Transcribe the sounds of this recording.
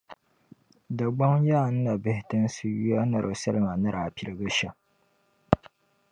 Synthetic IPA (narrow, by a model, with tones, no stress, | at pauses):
da˨ɡ͡ba˦ŋjaː˦˨n̩˦na˨bɪ˦hɪ˦tɨ˦nsu˦ju˦a˦na˨ɾʔo˨sɐ˦lɨ˦˨ma˨na˦ɾʔa˨pi˨ɾɨ˨ɡa˦ʃa˦